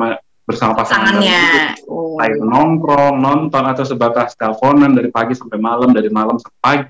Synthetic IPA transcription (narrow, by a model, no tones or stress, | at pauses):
ma | bərsamapasaŋaait̪ʊaɪknɔŋkɾɔnɔnt̪ɔnat̪awsəbat̪ast̪afonandaɾipaɡisampajmalamdaɾimalamsamapaɡi